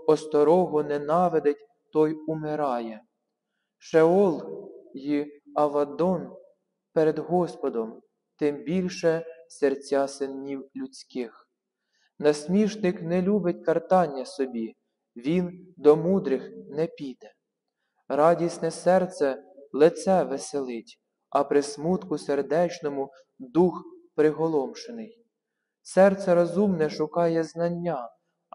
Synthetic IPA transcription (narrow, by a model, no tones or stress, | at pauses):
ɔst̪ɔɾɔɦɔnɛnɑʋed̪ɪtʲ | t̪ɔjʊmɪɾɑjɛ | ʃeɔlˠjiɐʋɐd̪ɔn | peɾed̪ɦɔspɔd̪ɔm | t̪ɪmbʲilʲʃɛsert͡sʲɑsɪnʲːiwlʲʊt͡sʲkɪx | nɐsʲmʲiʒnɪknɛlʲubɪtʲkɐrt̪ɑnʲːɐsɔbʲi | ʋʲind̪ɔmud̪ɾɪxnɛpʲid̪ɛ | ɾɑdʲisnɛsɛrt̪sɛlˠɪt̪sɛʋeselˠɪtʲ | ɐpɾɪsmut̪kʊserd̪ɛt͡ʃnɔmʊ | d̪uxpɾɪɦɔlˠɔmʃenɪj | sɛrt̪sɛɾɔzumnɛʃʊkɑjɛznɐnʲːɑ